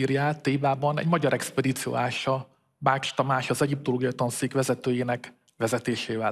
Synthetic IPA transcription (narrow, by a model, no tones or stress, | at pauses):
iːrjaːt̪eːbaːbɒnɛ̰ɟmɒɟɒɾʔɛkspɛd̪iːt̪sijo̰ːaːʃɒ | baːt͡ʃt̪ɒmaːʃɒzɛɟip̚t̪oloːɡijɒjit̪onsiːkʋɛzɛt̪øːjeːnɛk | ʋɛzɛt̪eːʃeːvɛ